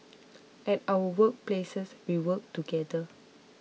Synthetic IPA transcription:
ʔɛtawəwək̚plesəswiwək̚tuɡɛdə

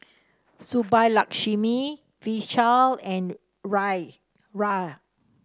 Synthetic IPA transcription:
subajlakʃimi | viʃalɛ̃n | ɹaj | ɹa

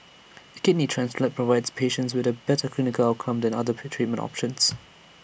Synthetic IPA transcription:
əkɪdnitʰɹ̥æ̃nsflət̚pʰɹɔvaɪdz̥pʰeːʃə̃ntswɪðəbɛtəkʰl̥ɪnɪkəlaʊt̚kʰə̃mdɛ̃na̰ðətʰɹ̥it̚mə̃ntɔ̰pʃə̃ns

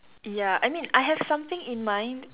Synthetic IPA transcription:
jaa̰jmĩnajɦɛv̥sãmθɪ̃ŋĩnmãɪ̃nd

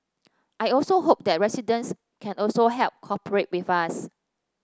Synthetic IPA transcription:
ʔajɔlsoɦop̚dɛt̚ɹɛsidə̃ns | kʰɛ̃nɔlsoɦɛlp̚kʰɔpəɹet̚wifas

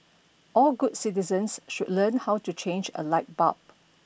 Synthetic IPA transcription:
ʔɔlɡud̚sitizə̃nsʃud̚lə̃nhawtut͡ʃẽnd͡ʒə̰laɪt̚ba̰p̚

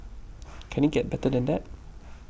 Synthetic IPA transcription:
kʰɛ̃niɡɛt̚bɛtəd̪ɛ̃nd̪æt̚

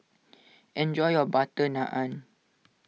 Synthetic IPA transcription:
ɛ̃nd͡ʒɔjɔbat̪ənãʔãn

